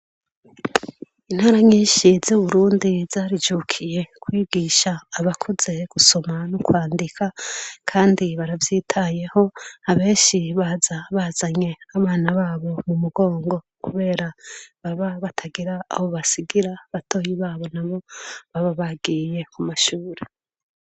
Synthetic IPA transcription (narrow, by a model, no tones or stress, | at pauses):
in̥haɾaɲiːnʃizuβuɾuːndiz̥aːɾid͡ʒukʰije̞kwiːɡiːʃaːβakʰoze̞ɡ̥uso̞manukwaːndikʰakʰaːndiβaɾavjiːtʰaje̞ho̞aβe̞ːnʃiβazaβazaɲe̞aβaːnaβaːβo̞mumuɡo̞ːŋɡo̞ | kuβe̞ːɾaβaβaβatʰaɡiɾa̰ːβoβasiɡiɾaβatʰo̞ːjiβaːβo̞naβo̞βaβaβaɡiːje̞kumaʃuːɾe